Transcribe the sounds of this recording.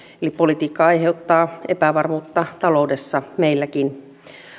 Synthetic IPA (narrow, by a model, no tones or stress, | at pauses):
elippolit̪iːkːɑɑjɦe̞ut̪ːɑːepæʋɑrmuːt̪ːɑt̪ɑlo̞wde̞sːɑmeilːækin